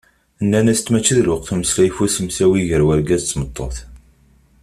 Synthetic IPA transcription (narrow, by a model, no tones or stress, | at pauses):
ənːænæst̪ːmæt͡ʃːəðləqθuməslæjfusəmsæwiʝəɾwæɾɡæzt͡sːmət̪ˤːoθ